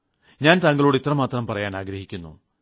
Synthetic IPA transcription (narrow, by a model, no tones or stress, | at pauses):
ɲaːnt̪ɐŋɡɐɭoːɽeit̪rɐmaːt̪rɐmpɐrɐjaːnaːɡɾɐɦikʲːunːṵ